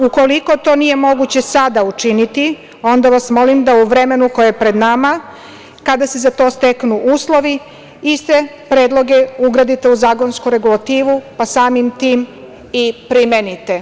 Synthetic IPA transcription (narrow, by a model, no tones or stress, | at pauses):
uko̞liko̞t̪o̞nije̞mo̞ɡut͡ɕe̞sad̪aut͡ʃinit̪i | o̞nd̪aʋasmo̞limd̪auʋɾe̞me̞nuko̞jepɾe̞d̪nama | kad̪asezat̪o̞ːst̪eknuʔuːslˠo̞ʋi | ist̪e̞ | pɾe̞ːd̪lˠo̞ɡeuɡɾad̪it̪e̞uzaːko̞nskuɾe̞ɡulˠat̪iːʋupasaːmimt̪iːm | ipɾimenit̪e̞